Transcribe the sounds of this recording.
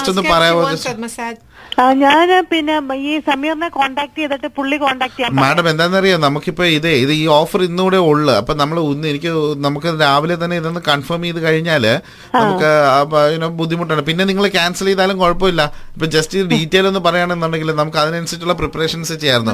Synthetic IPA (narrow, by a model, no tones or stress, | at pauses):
stonːɨpɐrɐjapoð | ɲaːnpinːeiːsɐmiːrnekoːɳɖaːk̚ʈɨjeðɐʈːɨpuɭːikoːɳɖaːk̚ʈɨjameːɽɐmend̪aːjnːɐrijunɐmukːipːo̞ːiðeiðɨiːo̞ːfɐrinːuɽeoɭːɨɐpːo̞ːnɐmːɐɭunːenikʲːɨnɐmukːɨɾaːʋilet̪̬ːɐnːe̞iðenːɨkɐɳfɐːmiiðɨkɐɻiɲːaːl | nɐukːɨinoːbud̪ʱːimuʈːaːɳɖɨpinːe̞niŋːɐɭek̬ʲaːnsɐleiðaːlumko̞ɻɐpːoːilːɐɐpːoːd͡ʑɐstiɖiːtːeːlo̞nːɨpɐrɐjaːɳenːaːɳɖeŋɡilːnɐmukːɨɐðinɨenɐsɐːʈːuɭːɐpripːɐreːʂɐnsɨt͡ɕejːaːjɾunːu